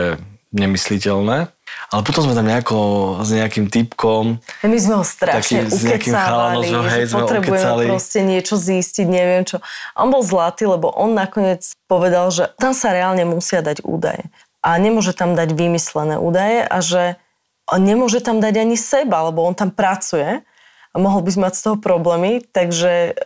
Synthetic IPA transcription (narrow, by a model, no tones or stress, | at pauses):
ɛɲɛmislicɛlnɛːalɛpɔt̪ɔmzmɛt̪amɲɛakɔzɲɛakimt̪ipkɔmmizmɛɦɔst̪ɾaaʃiɲɛʔuɲkɛɛakimaalaaɔliʒɦɛjzmɔɛt̪ɾɛbkujɛmɛaliɾɔscɛɲɪɛt͡ʃɔzisciɟɲɛʋɪɛmt͡ʃɔʔɔ̰nbɔlˠzlat̪iːlɛbɔʔɔnːakɔɲɪɛt͡spɔʋɛd̪alʒɛt̪amsaɾɛaːlɲɛmusɪad̪aɟṵːd̪a̰jɛ̰ | ʔaɲɛmʊɔʒɛt̪amd̪aɟʋimislɛnɛ̰ʔṵːd̪ajɛʔaʒɛ | ɲɛmʊɔʒɛt̪amd̪aɟaɲisɛbalɛbɔɔnt̪ampɾat͡sujɛ | amɔɦɔlbizmmacst̪ɔɦɔpɾɔblɛːmit̪aɡʒɛ